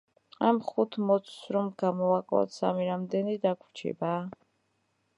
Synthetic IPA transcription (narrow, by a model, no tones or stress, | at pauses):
amχut̪ʰmɔt̪sʰsɾɔmɡamɔakʼa̰t̪samiɾamd̪ɛnid̪akʰɾt͡ʃʰɛ̰ba